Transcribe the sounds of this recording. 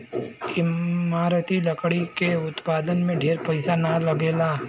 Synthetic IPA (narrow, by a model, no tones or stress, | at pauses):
ɪmaːɾət̪ilɐkɽikeʊt̪paːd̪ənmẽɖʱeːɾpɐɪsanalɐɡeːlaː